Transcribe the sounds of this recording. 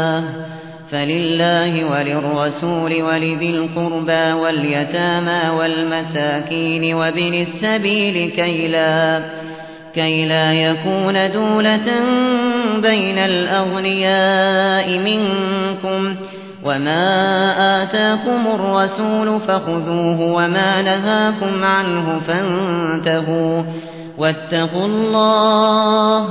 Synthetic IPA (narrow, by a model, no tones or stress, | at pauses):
falɪlːaːhɪwalɪrˤːɑsuːlɪwalɪðɪlqʊɾbawaljat̪aːmawalmasaːkiːnɪwabɪnasːabiːlɪkajla | kajlaːjakuːnad̪uːlat̪ambajnalʔaɣnɪjaːʔɪmɪŋkʊm | wʔamaːʔaːt̪aːkʊmʊrˤːɑsuːlʊfaxʊðuːɦʊwamaːnaɦaːkʊmʕanɦʊfant̪aɦuː | wat̪ːɑqʊlˤːɑː | h